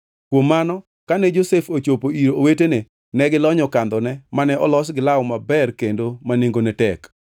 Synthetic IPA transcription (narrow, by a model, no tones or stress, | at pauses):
kwomːanɔ | kanɛd͡ʒosefot͡ʃopoiɾoowetene | nɛɡɪlɔɲɔkand̪ɔnɛmanɛɔlɔsɡɪlawɔmabɛrkendomaneŋɡonɛtɛk